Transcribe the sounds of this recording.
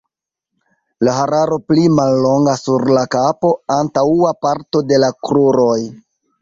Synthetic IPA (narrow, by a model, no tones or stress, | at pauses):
laɦaɾaɾo̞plimalːo̞ŋɡasuɾlakapo̞antauapaɾto̞de̞lakɾuɾo̞j